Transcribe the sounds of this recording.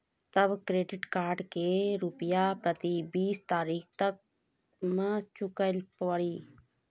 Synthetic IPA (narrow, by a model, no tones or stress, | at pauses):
t̪ɐbkɾeːɖɪʈkaːɾɖkeɾʊpjapɾət̪ibiːst̪aːɾiːkt̪ək̚ | mãt͡ʃʊkəlpɽiː